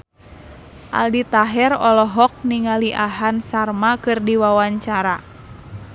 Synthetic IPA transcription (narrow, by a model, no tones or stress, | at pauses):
ʔa̰ldit̪aɦɛrɔlɔɦɔk̚niŋaliʔaɦansarmakɨrdiwawaɲt͡ʃaɾa